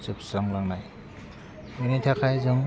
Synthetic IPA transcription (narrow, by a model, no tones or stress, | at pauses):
t͡ʃɯp̚saŋlaŋnaj | ɯnitʰakʰajzɯŋ